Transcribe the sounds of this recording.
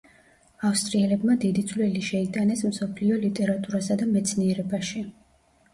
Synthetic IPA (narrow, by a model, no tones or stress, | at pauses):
afst̪ʼɾiɛlɛbmad̪id̪it̪sʼvlɛliʃɛit̪ʼanɛsmsɔpʰliɔlit̪ʼɛɾat̪ʼuɾasad̪amɛt̪sʰniɛɾɛbaʃi